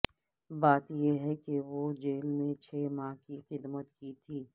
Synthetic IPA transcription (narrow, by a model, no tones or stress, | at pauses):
baːt̪jeɦɛkeʋod͡ʒeːlmẽt͡ʃʰeːmãːkixɪd̪mət̪kit̪ʰiː